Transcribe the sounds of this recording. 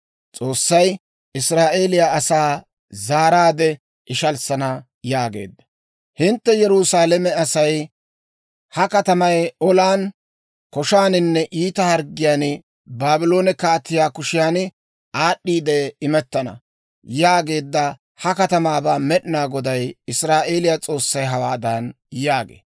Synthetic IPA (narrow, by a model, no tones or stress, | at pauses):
t͡sʼo̞ːsːɐj | ʔɪsɾaːʔe̞ːlɪjaːsaː | zaːɾaːd̪ɛ | ʔɪʃɐlsɐnɐ | jaːɡḛːd̪ːɐ̥ | hɪnt̪ːɛjɛɾʊsaːlɛmɛɐsɐj | hɐkɐt̪ɐmɐjɔlaːn | kɔʃaːnɪnːɛʔiːt̪ɐhɐɾɡɪjaːn | baːbɪlo̞ːnɛkaːt̪ːɪjaːkʊʃɪjaːn | ʔaːɗːiːd̪ɛɪmɛt̪ːɐnɐ̰ | jaːɡe̞ːd̪ːɐ | hɐkɐt̪ɐmaːbaːmɛɗɪnaːɡɔd̪ɐjɪsɾaːʔe̞ːlɪjat͡sʼo̞ːsːɐjɦɐwaːd̪aːn | jaːɡḛː